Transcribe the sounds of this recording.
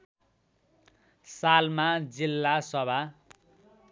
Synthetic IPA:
salmad͡zilːasʌbʱa

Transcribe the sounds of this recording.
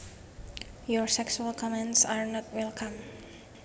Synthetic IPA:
jɔɹsɛksualkʰɔmɛ̃ntsaɹnɔt̚wɛlkʰãm

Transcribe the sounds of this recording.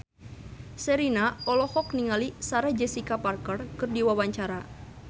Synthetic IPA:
sɛɾinaɔlɔhɔkniŋalisaɾad͡ʒɛsikaparkərkɨrdiwawaɲt͡ʃaɾa

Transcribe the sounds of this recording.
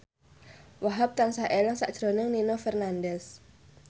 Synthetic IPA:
waɦap̚t̪ansaʔelɔŋsa̰ʔʒ̥ɾo̤nɪŋninofɛrnandɛs

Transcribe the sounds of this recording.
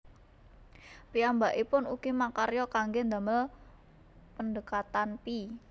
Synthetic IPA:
piambaʔipʊnuɡ̥imakaɾjɔkaŋɡend̪a̤məl | pəndəkat̪anpi

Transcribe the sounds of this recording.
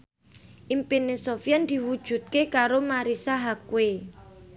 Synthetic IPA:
ʔimpinesofiand̪̥i̤wud̥ʒ̥ṳt̪̚kekaɾomaɾisaɦakwe

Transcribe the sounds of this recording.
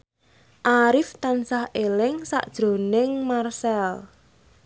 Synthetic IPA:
ʔaɾɪft̪ansahʔelɪŋsa̰ʔd̥ʒ̥ɾo̤nɪŋmarsɛl

